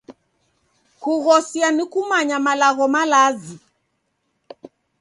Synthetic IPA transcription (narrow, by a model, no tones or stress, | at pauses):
kuɣɔsianikumaɲamalaɣɔmalazi